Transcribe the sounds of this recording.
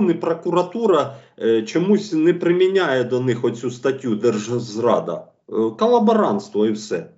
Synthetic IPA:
nɪpɾɔkʊɾɐt̪uɾɐt͡ʃɔmusʲnɛpɾɪmʲinʲajɛd̪ɔnɪxɔt͡sʲust̪ɐtʲjud̪ɛrʒzrɑd̪ɐ̰ | kɔlˠɐbɐɾɑnst̪ʋɔiwsɛ

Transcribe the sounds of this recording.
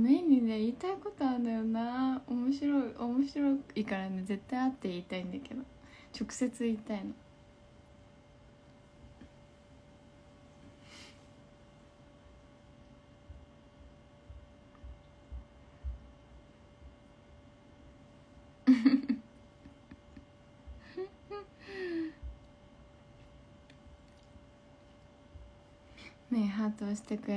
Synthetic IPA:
meɲ̟ːine̞iːt̪aiko̞t̪o̞and̪ajonaomo̞ɕiɾo̞iʔomo̞ɕiɾo̞ikaɾane̞ze̞t̪ːaiat̪ːe̞iːt̪aĩnd̪ake̞d̪o̞t͡ɕo̞kɯ̟̥se̞t͡sɨiːt̪aino | neɦat̪ost̪ɛkə

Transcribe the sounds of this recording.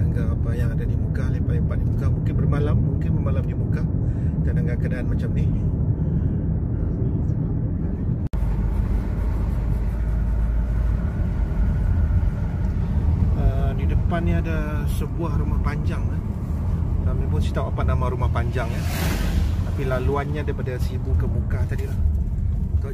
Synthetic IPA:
ŋɡaʔapajaŋadadimukalihpalɪŋpaʔ̪̚dimukamuŋkɪnbərmalammuŋkɪnbərmalamdimukakadaŋɡaʔkədaanmat͡ʃamnini | ənidəpanːiada | səbuahrumahpaɲd͡ʒaŋan | lamɲapʊnsi̥t̪awapanamãɾumahpaɲd͡ʒaŋan | t̪apilaluanɲadapadasibukəmukat̪adilah | k

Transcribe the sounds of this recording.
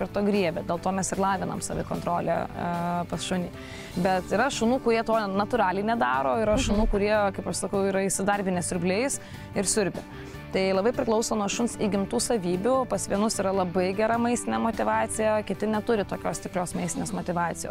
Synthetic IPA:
pʲɪɾt̪oːɡɾʲiɛbʲoːd̪ʲeːlˠt̪oːmʲɛsɪɾlˠɑːʋʲɪnɐ̰msɐ̰ʋʲɪ̰ko̰ːnt̪ɾoːlʲḛpɐsʃʊnʲiː | bʲɛt̪ɪɾɐʃʊnuːkʊɾʲiɛt̪oːnɐt̪ʊɾɑːlʲɪnʲɛd̪ɑːɾoːɪɾɐʃʊnuːkʊɾʲiɛkɐɪpɐʃsɐkɐʊiːɾɐɪʃʲsʲɪd̪ɐɾʲbʲɪnʲɛsʲʊɾʲbʲlʲeːjʊs | ɪɾsʲʊɾʲbʲɪ̰ | t̪ɐɪlˠɐbɐɪpʲɾʲɪklˠɐʊsoːnuɔʃʊnsiɡʲɪmt̪uːsɐʋʲiːbʲʊpɐsʋʲiɛnʊsiɾɐlˠɐbɐɪɡʲɛɾɐmɐɪsʲt̪ʲɪnʲɛmoːt̪ʲɪʋɑːt̪t͡s̪ʲɪjɛkʲɪt̪ʲɪnʲɛt̪ʊɾʲɪt̪oːkʲoːsʲt̪ʲɪpʲɾʲoːsmɐɪsʲt̪ʲɪnʲeːsmoːt̪ʲɪʋɑːt̪ʲɪjo̰ːs

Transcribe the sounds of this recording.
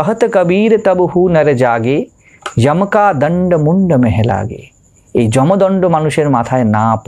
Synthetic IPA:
ɐɦɐt̪ɐkɐbiːɾɐt̪ɐbhuːnɐɾɐd͡ʒaːɡeː | jɐmkaːd̪ɐɳɖɐmuɳɖɐmeɦɛla̰ːɡḛː | eːd͡ʒɔmɐd̪ɔɳɖomɐnuʃjɐɾmaːt̪ʰaːjɐnaːp

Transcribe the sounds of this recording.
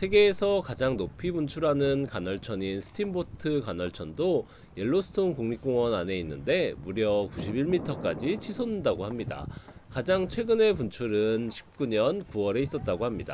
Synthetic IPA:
sʰe̞ɡe̞ːsʰʌkad͡ʑaŋnopʰibpunt͡ɕʰuɾɦanɯnkanʌɭt͡ɕʰʌɲinsʰɯ̥tʰimbotʰɯkanʌɭt͡ɕʰʌndo | jeɭːosʰɯ̥tʰoŋkoŋɲik̚k͈oŋwʌnane̞inːɯnde̞muɾjʌkuɕʰibiɭmitʰʌk͈ad͡ʑit͡ɕʰisʰonɯndaɡoɦhamɲida̰kad͡ʑaŋt͡ɕʰwe̞ɡɯne̞punt͡ɕʰuɾɯnɕʰi̥p̚k͈uɲʌnkuʌɾe̞is͈ʌt̚t͈aɡohamɲida̰

